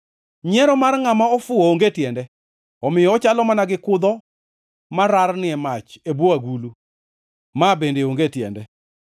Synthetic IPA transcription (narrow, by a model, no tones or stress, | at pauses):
ɲɛɾɔmarŋamaɔfʊooŋɡetjɛndɛ | ɔmɪjɔːt͡ʃalɔmanaɡɪkʊd̪ɔ | maɾaɾnɪɛmat͡ʃebwɔaɡulu | mabendeoŋɡetjɛ̰ndɛ